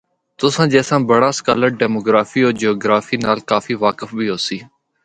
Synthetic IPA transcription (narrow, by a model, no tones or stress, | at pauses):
t̪ʊsãːd͡ʒɛːsãːbəɽaːskaːləɾ̚ɖɛːmoːɡɾaːfiːoːɾd͡ʒoːɡɾaːfiːnaːlkaːfiːʋaːkəfbʱiːɦoːsiː